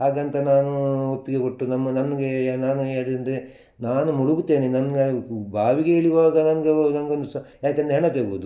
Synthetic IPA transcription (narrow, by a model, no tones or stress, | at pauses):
ɦaːɡɐnt̪ɐnaːnuopːiɡeko̞ʈːunɐmːɐnɐnːɐɡenaːnueːɽid̪ɐnd̪e | naːnumuɽuɡut̪ːe̞ːnenɐnɡɐbʱaːʋiɡeeːɭiʋaːɡɐnɐnɐɡenɐŋɡond̪usɐjaːkend̪ɐɦɛɳːɐt̪eːɡuʋud̪u